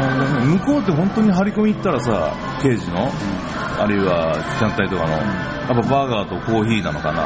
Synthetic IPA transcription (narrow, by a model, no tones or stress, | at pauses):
õd̪enemɯ̟ko̞ːt̪̬ːeɦõ̞nt̪o̞ɲ̟iɦaɾʲiko̞mʲit̪ːaɾasa̰ | ke̞ːʑino̞ | a̰ɾɯ̟iβa | d͡ʑãnt̪ait̪o̞kano̞̰ | japːabaɡaːt̪o̞ko̞ːçiːnano̞ka̰na̰